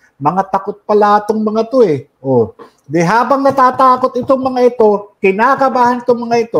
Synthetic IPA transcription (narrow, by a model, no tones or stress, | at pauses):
mɐŋat̪ɐkot̪̚pɐlaɐt̪oŋmɐŋat̪oɛʔo | d̪ɛɦaːbɐŋnɐt̪aːt̪aːko̞t̪ɪt̪oŋmɐŋaɪt̪o̞kɪnaːkɐbaːhɐnɪt̪oŋmɐŋaɪt̪o̞